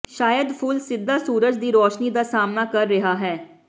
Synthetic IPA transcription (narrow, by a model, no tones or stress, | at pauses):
ʃaːjəd̪pʰʊːlsɪd̪ːaːsuːɾəd͡ʒd̪iːɾɔːʃniːd̪aːsaːmnaːkəɾːɪɦaːɦɛː